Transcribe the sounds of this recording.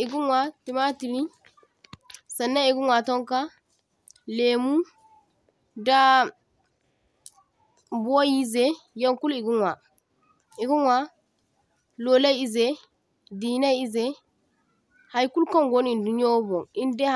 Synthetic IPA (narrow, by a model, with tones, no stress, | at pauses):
ʔi˨ɡu˦nwa˦ti˨ma˦ti˨li˦ | sa˨nːa˦i˨ɡu˦nwa˨tɔ˦ŋka˦ | le˨mu˦ | da˦ | bu˨˦o˦ji˦zɛ˦ | ja˦ŋku˦li˨ɡu˦nwa˨ | i˨ɡu˦nwa˦ | lo˨la˦ji˦zɛ˦ | di˨na˦ji˦zɛ˦ | ha˨jku˦lkɔ˦nɡo˦n˦i˨ndu˨n˦o˦bɔ˨ŋi˦ndɛ˦